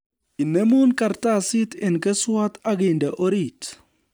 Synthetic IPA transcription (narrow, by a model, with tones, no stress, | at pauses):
i˨ne˦mu˦nka˨rta˦sɪ˦tɛ˨nkɛ˦swa˦t̪a˦ɡɪ˨ndɛ˨ʔo˦ɾi˨t